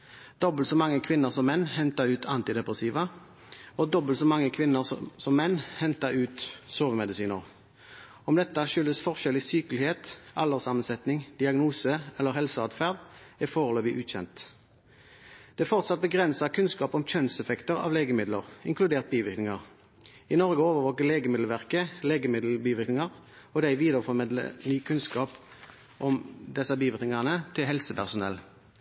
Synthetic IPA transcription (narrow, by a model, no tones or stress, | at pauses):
d̪̥ɔbəl̩t̪sɔmɑŋːəkʰʋɪnːəʁsɔmːɛnːhɛnt̪ɑʁʉːt̪ʰɑnt̪ɪd̪ɛpʁɛsiːʋə | ɔd̪ɔbəlt̪sɔmɑŋːəkʰʋɪnːəʁsɔmːɛnːhɛnt̪ɑʁʉːt̪søːʋəmɛd̪ɪsiːnəʁ | ɔmd̪ɛt̪ːəʃʏlːəsfɔʁʃɛlɪsyːkəlɪheːt̪ɑlːəʁsɑmːənsɛt̪nɪŋd̪̥ɪɑɡnuːsəɛlːəʁhɛlsəɑːd̪fæːʁd̪ɛfoːʁɔloːbɪʔʉːt̪çɛ̰nt̪ | d̪̥ɛfɔʁt̪sɑt̪̚bəɡʁɛnsɑkʰʉnskɑːpɔmc͡çœnsɛfɛkt̪əʁɑ̰ːʋleːɡəmɪd̪lə̰ʁɪŋkʰlʉd̪eːʁt̪̚biːʋɪʁknɪŋɑʁ | ɪnɔʁɡəoːʋəʁʋoːkəʁleːɡəmɪd̪lʋæʁkəleːɡəmɪd̪l̩biːʋɪʁknɪŋɑʁ | ɔd̪æɪʋiːd̪əʁəfɔʁmɪd̪lə̰nyːkʰʉnskɑːp | ʔɔmd̪ɛsɑbiːʋɪʁknɪŋɑʁnət̪ʰɪlɦɛlsəpʰæʁsʊnɛ̰lː